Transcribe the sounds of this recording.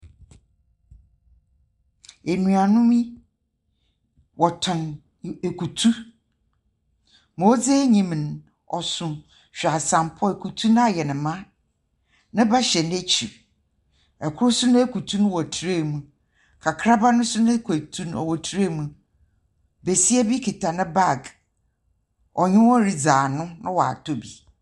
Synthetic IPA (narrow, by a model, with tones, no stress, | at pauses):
e˨nũ˨a˨nʊ̃˦mĩ˦ | wʔɔ˨tʰɔ̃˨n | e˨kʰu˨tʰu˦ | moː˨˦d͡ze˦ɲĩ˨m˨n˨ | ɔ̰˨sʊ̃˨ | ɕᶣa˨sã˨mpʰɔ˦e˨kʰu˨tʰu˦ñ˦a˦˨jɛ˨nɪ̃˨mã˦ | nɪ̃˦ba˦ɕɛ˨n˦e˦t͡ɕʰi˨ | ɛ˨kʰʊ˦ɾʊ˦sʊ˦nʊ̃˦e˦ku˨tʰu˦nʊ̃˦wɔ˨tʰu˨ɾe˦˨mũ˨ | kʰa˨kʰɾa˦ba˦nʊ̃˦sʊ˦nʊ̃˦kʰe˨tʰu˦n˦˨ɔ̰˨wɔ˨tʰɾe˦˨mũ˨ | be˨si˦æ˦bi˦kʰi˨tʰa˨nɪ̃˦ba˦˨ɡ | ɔ˨ɲɪ̃˦wɔ˦ɾi˨d͡zaː˨nʊ̃˦nʊ̃˦wɔ˨a̰˨tʰo˦bi˨